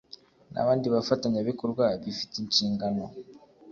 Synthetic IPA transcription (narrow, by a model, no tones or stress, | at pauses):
na̰βaːndiβafataɲaβikoɾɡwaβifi̥tiɲciːŋɡano